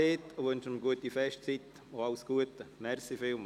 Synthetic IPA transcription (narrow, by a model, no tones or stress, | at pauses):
eːt̪ʋønʃəmɡuət̪ifɛʃt͡sit̪ | oalsɡ̥uət̪əmɛrsifɪlm